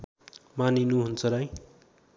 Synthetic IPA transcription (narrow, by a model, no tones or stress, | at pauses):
maninuɦunt͡sʰʌɾʌj